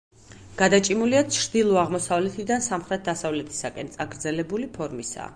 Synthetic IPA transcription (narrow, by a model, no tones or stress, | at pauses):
ɡ̥ad̪at͡ʃʼimuliat͡ʃʰɾd̪ilˠɔaʁmɔsavlɛt̪ʰid̪ansamχɾɛt̪̚ʰd̪asavlɛt̪ʰi̥sakʼɛnt̪sʼaɡɾd̪zɛlɛbulipʰɔɾmisa̰